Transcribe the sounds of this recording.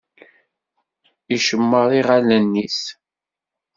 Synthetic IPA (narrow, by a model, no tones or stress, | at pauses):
iʃəmːəɾˤiʁalænːis